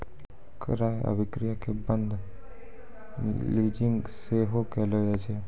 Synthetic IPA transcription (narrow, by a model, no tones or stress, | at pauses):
kɾaːə̰bɪkɾijakebə̃nd̪ʱ | liːd͡ʒɪ̃ŋɡseɦokɛled͡ʒad͡ʒe